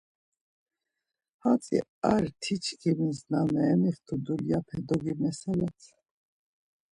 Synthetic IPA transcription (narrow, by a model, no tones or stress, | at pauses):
hat͡sʼḭaɾt̪ʰit͡ʃʰkʰimiznamɛːmiχt̪ʰud̪uljapʰɛd̪ɔɡimɛsɛlat͡sʰ